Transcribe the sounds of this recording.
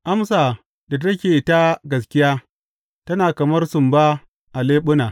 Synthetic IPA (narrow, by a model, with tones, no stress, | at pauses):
ʔa˦msa˨ | da˨tɐ˦kʲeː˨ʔɪ˨˦ta˦ɡɐ˨s̬kʲɪ˦jaː˦ | tɐ˦naː˨kɐ˨mɐ˦rsʊ˨mba˦ | ʔa˨leː˦ɓʊ˦naː˨